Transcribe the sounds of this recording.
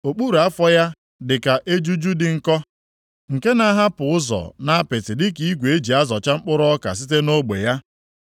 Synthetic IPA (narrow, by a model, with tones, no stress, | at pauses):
o˨k͡pu˦ɾu˨a˦fɔ˦ja˦ | dɪ˨ka˨ʔe˦d͡ʒu˦d͡ʒu˦dɪ˨ŋ̩˨kɔ˦ | ŋ̩˨ke˦na˦ɦa˦pʊ˨ʊ˦zɔ̰˨na˦a˦pɪ˨tɪ˨dɪ˦ki˨˦ɡʷe˨e˦d͡ʒi˨a˦zɔ˨t͡ʃa˦ŋ͡m̩˦k͡pʊ˦ɾɔ˦ɔ˦ka̰˨s̬i˦te˦no˦ɡ͡bḛ˨ja˦